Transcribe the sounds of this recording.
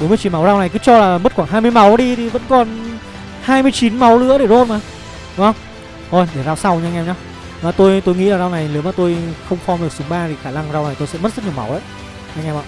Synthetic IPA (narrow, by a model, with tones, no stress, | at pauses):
ɓo˨˦nm˧ət͡ɕi˨˦ma˨˦wzaː˧wna˨˩jkɨ˨˦t͡ɕɔ˧laː˨˩mə˦˥t̚xwa˧˩ŋɦaː˧mɨ˧əjma˨˦wɗi˧t̪ʰi˨˩və̰˧˥nkɔ˨˩n | haː˧jmɨ˧əjt͡ɕi˨˦nma˨˦wlɨ̰˧˥əɗe˧˩zo˧nmaː˨˩ | ɗŋ͡mhə˧wŋ͡m | kɔ˧˩jɗe˧˩zaː˧wsa˧wɲ˧ŋɛ˧mɲaː˧w | maː˨˩t̪o˧jt̪o˧jŋḭ˧˥laː˨˩zaː˧wna˨˩jlɨ˨˦əmaː˨˩t̪o˧jxə˧wŋ͡mxɔ˧mɗɨ˨˩ək̚sʊ˨˦ŋ͡mɓaː˧t̪ʰi˨˩xaː˧˩na˧ŋzaː˧wna˨˩jt̪o˧jsɛ̰˧˥mə˦˥t̚zə˦˥ɲi˨əma̰˨˦wʔa̰ː˧˨ | ɲa˧ŋɛ˧mʔa̰˧˨